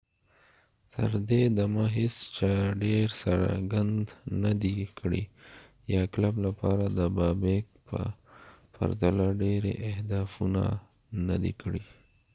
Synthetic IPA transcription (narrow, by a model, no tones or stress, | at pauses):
t̪ʰə̰ɾd̪ed̪amaɦɪst͡ʃaɖeɾsa̰ɾɡand̪nad̪ikɽḭ | jɑklablapɑɾad̪əbɑbek̚pə̰pa̰ɾt̪alaɖeɾḛʔɪhd̪ɑfuna̰ | na̰d̪ḭkɽi